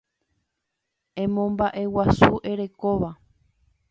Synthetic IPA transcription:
ẽ̞mõ̞mbaʔe̞wasuʔe̞ɾe̞ko̞ʋa

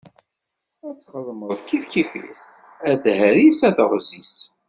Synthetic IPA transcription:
æt͡sːχəlːməðkːiθkifḭs | æθhæɾisæθəʁzis

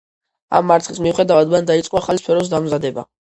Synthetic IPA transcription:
a̰mːaɾt̪ʰχismiuχɛd̪avad̪band̪ait̪sʼqʼɔaχalispʰɛɾɔs̬d̪amzad̪ɛba̰

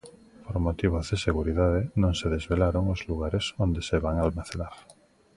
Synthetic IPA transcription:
poɾmot̪iβ̞ozðeseɣ̞uɾiðað̞enõŋseðezβelaɾoŋozluɣaɾesond̪eseβaŋalmaθelaɾ

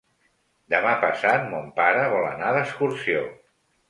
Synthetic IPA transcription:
d̪əmapəsat̪̚mompaɾəβ̞ɔlə̰naðəskuɾsio

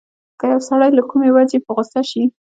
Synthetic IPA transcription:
kajawsaɽajlakumewazepəɣʊsaʃi

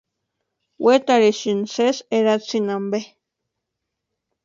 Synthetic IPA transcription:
wʔet̪aɾeʃinseseɾat͡sinambe

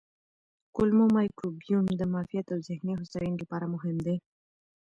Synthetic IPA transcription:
kʊlmomajkubjumd̪əmɑfijat̪awzɪhneɦʊsajanɡəpɑɾamʊɦɪmd̪e

